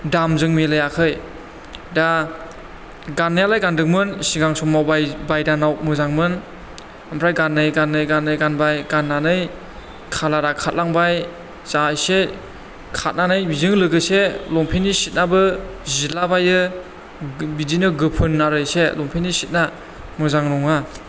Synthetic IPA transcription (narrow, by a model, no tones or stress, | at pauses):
damzɯŋmelɯjakʰɯj | da | ɡanːɯjalajɡandɯŋ̚mɯnsiɡaŋsɔmːawbajbajdanawk̚mɯzaŋmɯn | ampʰɾajɡanːɯjɡanːɯjɡanːɯjɡanbajɡanːanɯj | kʰalaɾakʰat̚laŋbaj | zajse | kʰat̚nanɯjbizɯŋlɯɡɯselɔŋpʰenisit̚nabɯzilabajɯ | bidinɯɡɯpʰɯnːaɾɯjselɔŋpʰenisit̚na | mɯzaŋɾɔŋa